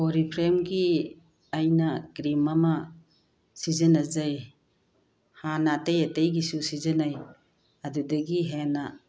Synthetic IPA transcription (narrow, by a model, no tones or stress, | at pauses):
oɾipʰɾemɡi | ajnɐɡɾimɐmɐ | sizɯnɐzaj | hanatejatejɡisusizɯnaj | ɐdudɐɡiɦenɐ